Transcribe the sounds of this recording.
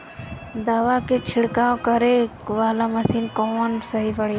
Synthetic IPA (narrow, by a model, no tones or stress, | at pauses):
d̪aːʋaket͡ʃʰɪɽkaːõkɐɾeʋaːlamɐsiːnkɔːnsɐɦipɐɽ̤e